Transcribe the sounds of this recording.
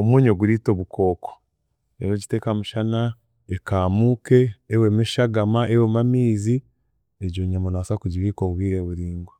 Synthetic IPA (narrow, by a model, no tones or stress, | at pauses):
omwuɲoɡuɾito̞βukʰo̞ːko̥ | eɾoɟite̞ːkamuʃana | ekaːmuke̞ːwemiʃaɡamaʔewemamiːzi | eɟoːɲamonasakuɟiβikoβwiːɾeβuɾiːŋɡo